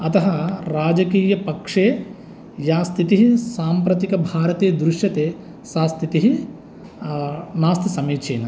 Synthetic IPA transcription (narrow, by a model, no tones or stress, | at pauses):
ɐt̪ɐɦɐɾaːd͡ʒɐkiːjɐpɐkʂeː | jaːst̪ʰit̪iɦisaːmpɾɐt̪ikɐbʱaːɾɐt̪eːd̪ɾuʂjɐt̪eː | saːst̪ʰit̪iɦi | naːst̪ʰisɐmeːt͡ʃʰeːnɐ